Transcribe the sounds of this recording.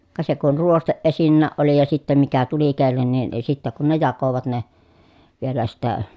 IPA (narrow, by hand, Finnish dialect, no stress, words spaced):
kɑ se kun ruosteʔ ʔesinːæːʔ ʔoli jɑ sitːem mikæ tuli kelːenːin ni sitːæ kun ne jɑkoʋɑt ne ʋielæ sitːæ